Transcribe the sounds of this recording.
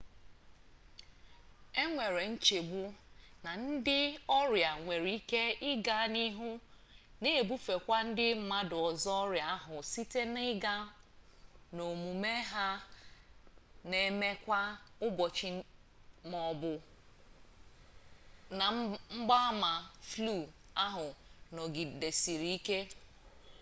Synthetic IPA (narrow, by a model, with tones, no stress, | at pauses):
e˦ŋʷe˨ɾe˨n̩˦t͡ʃe˨bu˦na˨n̩˦dɪ˦ɔ˦ɾja˨ŋʷe˨ɾi˦ke˦ɪ˦ɡa˦ni˦ɦu˦ | ne˦˨bu˦fe˨kʷa˦n̩˦dɪ˦m̩˨˦ma˦dʊ˨ɔ˨zɔ˦ɾja˨a˦ɦʊ˨si˦te˦nɪ˦ɡa˦ | no˨mu˨me˦ɦa˦ | ne˨me˦kʷa˦ʊ˦bɔ˨t͡ʃɪ˨ | mɔ˨bʊ˨ | na˨ŋ͡m̩˦ɡ͡ba˦ma˨flu˦˨a˦ɦʊ˨nɔ˨ɡi˨de˨si˨ɾi˨i˦ke˦